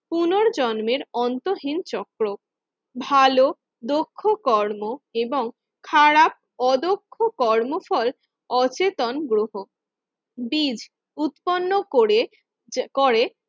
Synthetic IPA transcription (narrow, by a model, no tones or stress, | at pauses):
punoɾd͡ʑɔnmeɾɔnt̪oɦint͡ɕɔkɾo | bʱalo | d̪okʰːokɔɾmoeboŋ | kʰaɾap̚ɔd̪okʰːokɔɾmofɔl | ɔt͡ɕet̪onɡɾoɦo | bid͡ʑ | ut̪ponːokoɾe | koɾe